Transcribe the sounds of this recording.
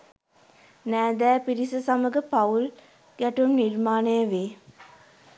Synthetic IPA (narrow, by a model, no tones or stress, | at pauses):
næːd̪æːpiɾisəsaməɡəpaul | ɡ̥æʈunːiɾmaːnəjəʋeː